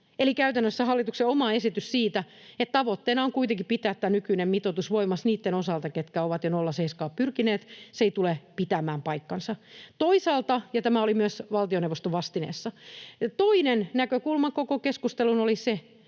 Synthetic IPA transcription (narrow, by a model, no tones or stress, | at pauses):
elikæyt̪ænːøsːæɦɑlːit̪ukseomɑesit̪yssiːt̪æ | et̪t̪ɑʋot̪ːeːnɑoŋkuit̪eŋkippit̪æːt̪t̪ːæːnykynemmit̪ot̪usʋoimɑsniːt̪ːenosɑlt̪ɑket̪kæoʋɑt̪jonolːɑseiskɑːppyrkineːt̪seeit̪ulepit̪æmæːmpɑikːɑnsɑt̪oisɑːlt̪ɑjɑt̪æmæolimyøsʋɑlt̪ioneʋost̪oʋɑst̪inḛːsːɑt̪oinennækøkulmɑkokokeskust̪elunolise